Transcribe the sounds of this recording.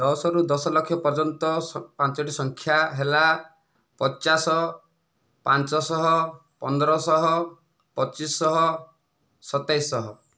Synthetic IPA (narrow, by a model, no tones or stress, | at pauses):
dɔsɔɾud̪ɔsɔlɔkʰjɔpɔɾd͡ʒɔnt̪ɔpant͡ʃɔʈisɔŋkʰjaɦela | pɔt͡ʃasɔ | pant͡ʃɔsɔɦɔ | pɔnd̪ɔɾɔsɔɦɔ | pɔt͡ʃisːɔɦɔ | sɔt̪ajsːɔɦɔ